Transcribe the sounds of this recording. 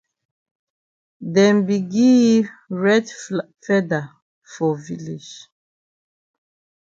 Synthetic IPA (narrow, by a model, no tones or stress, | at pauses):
dɛ̃nbiɡiɹɛd | fɛda | fɔvilid͡ʒ